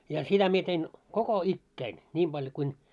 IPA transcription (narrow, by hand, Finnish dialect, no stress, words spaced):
jɑ sitæ mie tein koko ikːæin nʲim b̥ɑljŏ kuin